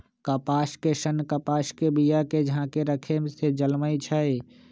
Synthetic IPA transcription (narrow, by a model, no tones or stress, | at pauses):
kəpaskesənkəpaskebijaked͡ʒɦãkeɾəkʰemsed͡ʒəlməjt͡ʃʰəj